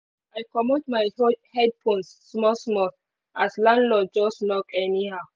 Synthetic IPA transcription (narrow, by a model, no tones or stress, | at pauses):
ajkɔmɔtmajhɛd̚pʰɔ̃nsːmɔsmɔθ | ʔaslãndlɔd̚d͡ʒɔsnɔkɛnihaʊ